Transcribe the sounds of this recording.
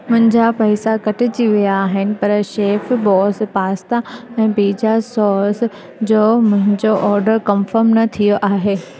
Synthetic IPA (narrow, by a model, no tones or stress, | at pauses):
mʊ̃ɦɪ̃ɲd͡ʑapɐɪsakɐʈʰɪt͡ɕiʋijaːɦɪnɪ̆pɐɾʃeːfbɔːspaːst̪aɛ̃ːbiːd͡ʑasɔːs | d͡ʑoːmʊ̃ɦɪ̃ɲd͡ʑoʔɔːɾɖəɾkɐmfəɾmnɐt̪ʰijoʔaːɦeː